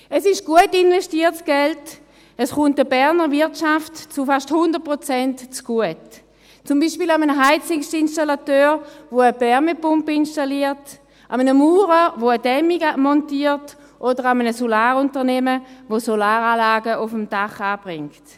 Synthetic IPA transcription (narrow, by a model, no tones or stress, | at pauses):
ɛsɪʃɡ̥uətinvɛstiːtsɡ̥ɛlt | əsχʊntəbɛʁnəʁvɪɐtt͡ʃaftt͡sufaʃthʊndəʁt̚pʁot͡sɛntt͡sɡ̥uət | t͡sʊmbiːʃpiːlamənəɦaɪt͡sɪŋʃtinʃtalatøːʁvoəbɛʁmepʊmpinʃtaliːʁt | ʔamənəmuːʁəvoədɛmiɡamɔntiːʁt | ʔodəʁamənəsolaːʁʊntəʁnɛməvosolaːʁaːlaːɡəʊfəmd̥aχaːb̥ʁɪŋkt